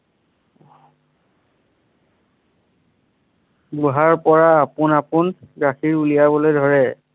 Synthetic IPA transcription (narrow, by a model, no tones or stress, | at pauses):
ɡuɦaɹpɔɹaːpʊnapʊnɡɹaxʰiɹulijabɔlojdʱɔɹɛ